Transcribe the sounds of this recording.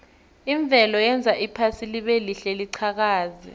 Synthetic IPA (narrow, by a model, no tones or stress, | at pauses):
iɱb̪vʱɛlɔjɛnd͡zʱaʔipʰasiliɓeliɬɛliǀʰak̬aːzɛ̰